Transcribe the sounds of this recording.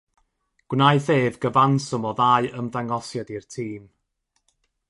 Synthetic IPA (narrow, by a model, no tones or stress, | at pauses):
ɡ̥wnaɨðeːvɡəvansɔmɔðaɨəmdaŋɔsjadirtʰiːm